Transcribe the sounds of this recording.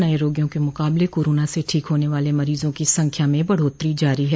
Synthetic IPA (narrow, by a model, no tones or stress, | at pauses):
naːiɾoːɡijõkemʊqaːblekoːɾoːnaseʈʰiːkɦoːneʋaːlemɐɾiːzõkisɐ̃ŋkʰjamẽbɐɽ̤oːt̪ɾid͡ʒaːɾiɦɛː